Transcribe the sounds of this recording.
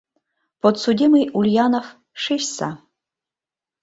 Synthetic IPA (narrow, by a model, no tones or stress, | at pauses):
pot̪sud̪ʲimɨjʔulʲjanof | ʂeʃsa̰